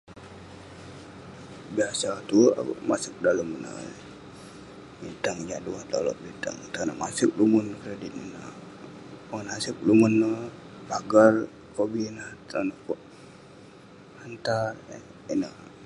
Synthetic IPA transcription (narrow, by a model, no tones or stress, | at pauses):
biasat̪ua̰masɪk̚daləmnə̰ | bint̪aŋd͡ʒaduat̪a̰lo̰ʔbint̪a̰ŋt̪anamasɪk̚lumʊnkɾedit̪̚inə | paŋənasɪk̚lumunːə | baɡar | kobinat̪anəkoʔ | hant̪ar | inə